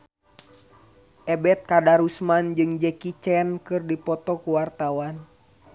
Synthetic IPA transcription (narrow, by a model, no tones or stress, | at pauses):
ʔɛbɛt̪̚kadaɾusmand͡ʒɨŋd͡ʒɛkit͡ʃɛnkɨrdipɔt̪ɔkuwart̪awan